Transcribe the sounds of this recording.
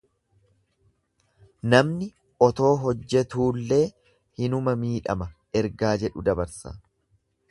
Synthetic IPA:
nɐmnɪ | ʔɔt̪o̞ːɦɔd͡ʒːɛt̪uːlːe̞ː | hɪnʊmɐmiːᶑɐ̰mɐ | ɛɾɡaːd͡ʒɛᶑʊd̪ɐbɐɾsa̰ː

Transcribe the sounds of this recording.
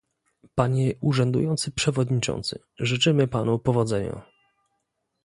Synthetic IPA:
paɲɛuʐɛnd̪ṵjɔnt̪sɘpʂɛvɔd̪ɲit͡ʂɔ̰̃nt̪sɘ̰ | ʐɘt͡ʂɘmɘpanupɔvɔd̪zɛɲa̰

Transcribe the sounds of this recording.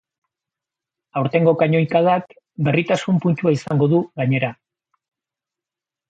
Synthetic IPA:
awɾt̪e̞ŋɡo̞kaɲo̞jkaðak | be̞rit̪asumpunt̪uaisaŋɡo̞ðuɣaɲe̞ɾa

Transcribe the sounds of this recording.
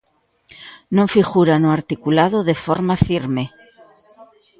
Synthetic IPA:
nõɱfiɣuɾanoaɾt̪ikulaðoðe̞fo̞ɾmafiɾme̞

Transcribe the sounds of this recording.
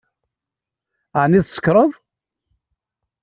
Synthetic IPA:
ʕniðsə̥kːɾˤəðˤ

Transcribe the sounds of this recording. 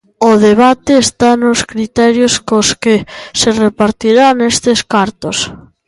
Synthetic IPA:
oðeβat̪eːst̪anʊskɾit̪ɛɾjoskoskeserepaɾt̪iɾanest̪eskaɾt̪os

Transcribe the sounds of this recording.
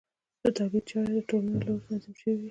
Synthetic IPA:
d̪̥ət̪ɑbid̪t͡ʃɑɾed̪əʈolnloɾnɑzɪmʃəwi

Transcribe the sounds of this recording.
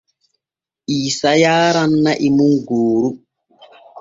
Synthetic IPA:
ʔiːsajaːɾanːaʔimuŋɡoːɾu

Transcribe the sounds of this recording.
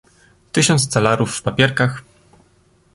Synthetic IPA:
t̪ɘɕɔnt̪st̪salaɾufːpapʲjɛɾkax

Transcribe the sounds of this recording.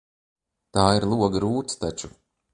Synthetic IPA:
t̪aːiɾlˠuɔɡaɾuːt̪st̪at͡ʃu

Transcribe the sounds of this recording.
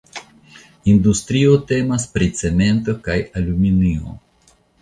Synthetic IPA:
indust̪ɾio̞te̞maspɾit͡se̞me̞nto̞kajaluminio̰

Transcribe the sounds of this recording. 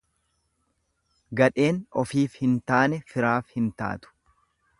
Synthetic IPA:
ɡɐᶑe̞ːnɔfiːfhɪnt̪aːnɛfɪɾaːfhɪnt̪a̰ːt̪ʊ̥

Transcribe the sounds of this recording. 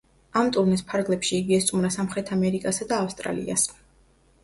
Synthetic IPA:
amt̪ʼuɾnispʰaɾɡlɛpʃiːɡiast̪sʼumɾasamχɾɛt̪ʰamɛɾikʼasad̪aːfst̪ʼɾa̰lḭa̰s

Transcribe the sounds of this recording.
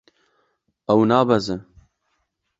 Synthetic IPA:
ɐwnaːbɐzɨ

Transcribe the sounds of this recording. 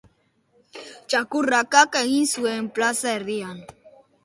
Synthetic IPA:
t͡ʃakuɾakakaŋinsuemplasaeɾd̪ian

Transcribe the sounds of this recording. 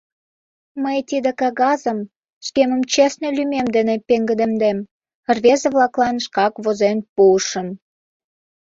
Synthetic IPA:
məjt̪id̪ekɑɣɑzəm | ʃkemə̆mt͡ɕesnelymemd̪enepeŋɡəd̪əmd̪em | rβezəβlɑklɑnʃkɑkβozenpuəʃə̆m

